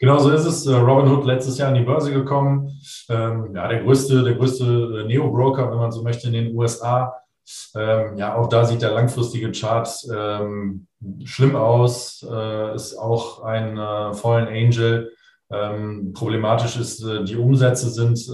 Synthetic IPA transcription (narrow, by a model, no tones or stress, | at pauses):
ɡ̥ənaʊzoːɪstɛsʔɛːʁɔbɪnhʊtlɛt͡stəsjaːɐɪndibœɐzəɡəkʰɔmənʔɛːmjaːɾeːɐɡʁøːstədeːɐɡʁøːstəɛːneːobʁoʊkɐvɛnmanzoːmœçtəɪndeːnuːɛsʔaː | ʔɛːmjaːaʊxd̥aːziːt̚d̥eːɐlaŋfʁ̥ɪstɪɡət͡ʃaɐtɛm | ʃlɪmaʊsɛːɪsa̰ʊxʔaɪnːfɔlənɛɪnd͡ʒl̩ | ʔɛːmpʁ̥oblemaːtɪʃɪstɛːdiːʔʊmzɛt͡səzɪnt